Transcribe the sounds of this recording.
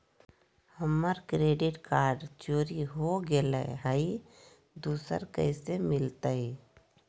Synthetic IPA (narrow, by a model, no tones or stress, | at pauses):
həmːəɾkɾeːɖɪʈkaːɾɖt͡ʃoːɾiɦoɡelaɦai | d̪uːsə̰ɾkə̰ɪsemɪlt̪ai